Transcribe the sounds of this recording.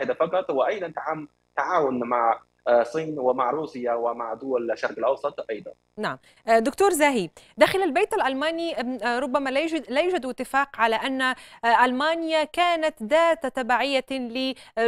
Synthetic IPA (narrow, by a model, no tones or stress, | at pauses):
ħɪd̪afɑqɑt̪ˤwɪʔɑjd̪ˤɑnt̪aʕa | t̪aʕaːwʊnmaʕ | sˤiːnwɪmaʕɾuːsɪjawɪmaʕd̪ʊwalʃːɑɾˤqɪlʔɑwsˤɑt̪ˤʔɑjd̪ˤɑ̰n | naʕm | d̪ʊkt̪uːɾˤzaːɦid̪aːxɪlalbejt̪alʔalmaːniɾˤʊbːamalajlajuːd͡ʒad̪ɪt̪ːɪfaːqʕalaʔanːaʔalmaːnɪjakaːnat̪d̪aːt̪at̪abaːʕɪjːalɪ